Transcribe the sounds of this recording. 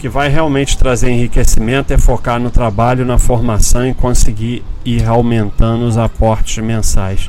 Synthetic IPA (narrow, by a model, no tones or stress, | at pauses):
ʊkɪvajɦeawmẽnt͡ʃɪ̥t̪ɾazeɾẽɦikesimẽnt̪ʊɛfokaɾnʊt̪ɾabaʎʊnɐfoɾmasɐ̃w̃ɪkõsɪɡiɾiɾawmẽnt̪ɐ̃nd̪ʊʊzapɔɾt͡ʃɪzmẽsajs